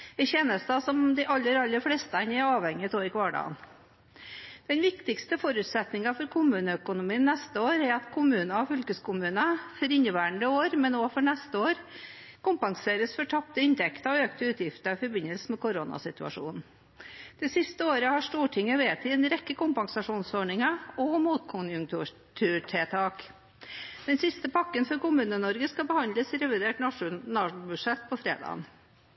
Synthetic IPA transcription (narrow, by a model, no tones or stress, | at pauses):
ɛçeːnəst̪ɑːsɔmd̪ɛɪʔɑlːəɾɑlːəfleːst̪ɛnɛɾɑːʋhɛŋjət̪ʰoːɾɪkʋɑːɖɑ̰ːn | d̪̥ɛnʋɪkt̪ɪkst̪əfɔɾʉt̪sɛt̪nɪŋɑfɔɾkʰʊmʉːnəœkʊnʊmiːnːɛst̪əoːɾæɾɑt̪kʰʊmʉːnɑɔfʏlkəskʊmʉːnəfɔɾɪnːəʋæːəɳd̪əoːɾmɛnoːfɔɳɛst̪əoːɾ | kʊmpɑŋseːɾəsfɔʈʰɑpt̪əɪnt̪ʰɛkt̪əɔøːkt̪əʉːt̪ʰjɪft̪əɪfɔɾbɪnəlsəmɛkʰʊɾonɑ̰sɪt̪ʉɑ̰ʂṵːnn̩ | d̪̥ɛsɪst̪əoːɾəhɑʂʈuːʈʰɪŋːəʋeːt̪ʰɪːɛnɾɛkːəkʊmpɑŋsɑʂuːnsɔɳɪŋəɔmuːt̪kʰʊnjʉŋt̪u | t̪ʰʉːʈʰeːt̪ʰɑːk | d̪̥ɛnsɪst̪əpʰɑkːənfɔɾkʊmʉːnənɔɾɡəskɑbəhɑnd̪ləsɾɛʋɪd̪eːʈnɑʂʊnɑʂbʉʂɛt̪ːpʰɔfɾḛːd̪ɑ̰ːn